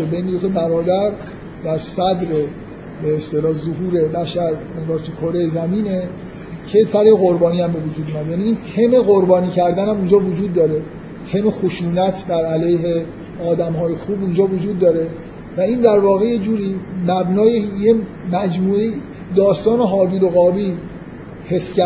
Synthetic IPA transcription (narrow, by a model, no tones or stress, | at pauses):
bejneot̪ʰːbæɾɒːd̪æɾ | d̪æɾsæd̪ɾe | beest̪elɒːzoɦuːɾe̞bæʃæɾe̞ŋɡɒːɾt̪ʰukʰoɾejzæmiːne̞ | cʰe̞sæɾeɣo̞ɾbɒːniːæmbe̞vod͡ʒuːd̪uːmæd̪ejæːniiːnt̪ʰeme̞ɣo̞ɾbɒːniːcʰæɾd̪ænhæmund͡ʒɒːvod͡ʒuːd̪ːɒːɾe̞ | t̪ʰemexoʃuːnæt̪ʰd̪æɾælejɦe | ɒːd̪æmɦɒːje̞xuːbund͡ʒɒːvod͡ʒuːd̪ːɒːɾe̞ | væiːnd̪æɾvɒːɣe̞je̞d͡ʒuːɾiːmæbnɒːjeje | mæd͡ʒmuːe | d̪ɒːst̪ɒːneɦɒːb̪iːloɣɒːbiː | he̞scæ